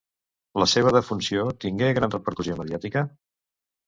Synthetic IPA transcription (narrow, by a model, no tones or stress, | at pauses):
ləseβ̞əð̞əfunsiot̪iŋɡeɣɾanrəpəɾkuzioməðiat̪ikə